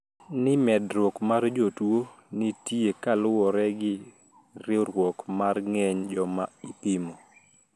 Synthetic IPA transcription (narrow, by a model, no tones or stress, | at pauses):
nɪmɛdɾwɔkmard͡ʒotwonitiekalʊwɔɾɛɡɪ | ɾɪoɾwɔkmarŋɛɲd͡ʒɔmaipimo